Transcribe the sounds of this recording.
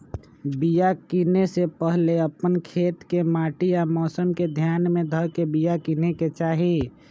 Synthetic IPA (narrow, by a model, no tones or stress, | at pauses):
bijakinesepəɦleəpənkʰeːt̪kemaːʈiamɔːsəmked̪ʱjaːnmẽd̪ʱəɾkebijakineket͡ʃaːɦi